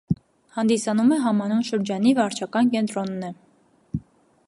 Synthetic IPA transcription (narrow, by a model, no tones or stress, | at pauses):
hɑnd̪isɑnumɛɦɑmɑnunʃəɾd͡ʒɑnivɑɾt͡ʃʰɑkɑnkɛnt̪ɾɔnːɛ